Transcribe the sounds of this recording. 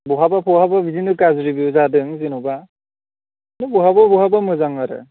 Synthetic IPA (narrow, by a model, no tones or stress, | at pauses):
bɔɦabapʰɔɦababizinɯkazɾibiuzadɯŋzinɔba | nɯbɔɦababɔɦabamɯzaŋaɾɯ̰